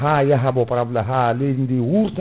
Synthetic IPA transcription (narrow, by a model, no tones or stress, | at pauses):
ɦajaɦabɔpaɾablaɦalindiwuɾt̪